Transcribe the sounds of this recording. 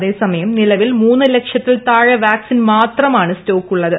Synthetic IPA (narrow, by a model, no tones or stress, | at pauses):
ðe̞ːsɐmɐjɐmnilɐʋilmuːnːɨlekʂjɐt̪ːilt̪aːɻɐʋaːksinmaːt̪rɐmaːɳɨsto̞ːkːuɭːɐðɨ